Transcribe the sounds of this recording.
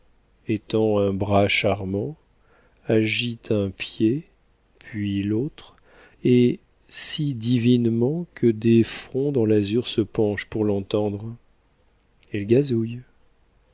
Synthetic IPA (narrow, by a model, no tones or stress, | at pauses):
et̪ɑ̃ɛ̃bʁaʃaʁmɑ̃ | aʒit̪ʰɛ̃pje | pʰɥilot̪χ | e | sid̪ivinmɑ̃kʰəd̪efχɔ̃d̪ɑ̃lazyʁsəpɑ̃ʃpuʁlɑ̃t̪ɑ̃d̪ʁ | ɛlɡazuj